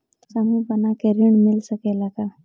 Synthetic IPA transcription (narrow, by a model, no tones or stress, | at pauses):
sɐmubɐnakeɾiɳmɪlsəkelaka